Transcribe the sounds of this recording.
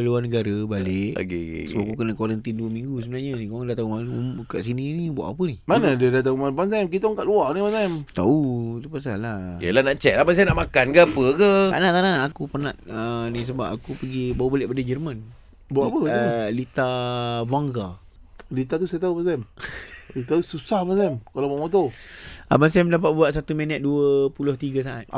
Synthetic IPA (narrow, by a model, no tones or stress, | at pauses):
luarnəɡaɾəbaleʔɡ̰səbaʔkukənakwaɾənt̪induəmĩŋɡus̬əbənahɲanikaaŋdaht̪aumakaʔsininibua̰ʔapənihmanadiədat̪̬aumanbans̬ajmk̬it̪ɔŋkaʔluaniwansajmt̪a̰ut̪upas̬alajə̰lanaʔt͡ʃɛʔlabas̬ajanaʔmakankaapəkəaʔnaʔt̪ananːkupənaʔənis̬əba̰pakupəɡibawbaleʔbadəd͡ʒərmən | baʔapəlit̪avaŋɡa | lit̪at̪̬usajat̪̬aubansɛmlit̪at̪ususahbans̬amkalabaʔmot̪̬oabans̬ɛmdap̬at̪̚buaʔsat̪umɛnɛt̪̚duəpulʊht̪iɡas̬aʔa̰t̪̚